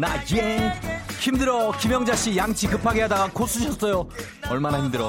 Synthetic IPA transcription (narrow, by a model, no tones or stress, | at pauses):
naeŋçimdɯɾʌkimjʌŋd͡ʑaɕ͈ijaŋt͡ɕʰikɯpʰaɡeɦadaɡakʰos͈ʰuɕʰʌs͈ʌjo | ʌɭmanahimdɯɾʌ